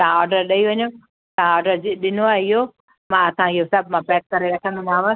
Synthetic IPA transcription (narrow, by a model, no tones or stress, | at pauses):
t̪ɐãɔːɾɖəɾɗɐiʋɐɲo | t̪ɐãɔːɖəɾd͡ʒɪɗɪnoaɪjo | mãɐsãɪɦosɐbʱmãpɛːk̚kɐɾeɾɐkʰə̃nd̪onaːʋə̃